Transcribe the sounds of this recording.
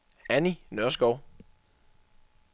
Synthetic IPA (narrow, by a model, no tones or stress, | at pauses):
æninøɐsɡ̥ɒʊ̰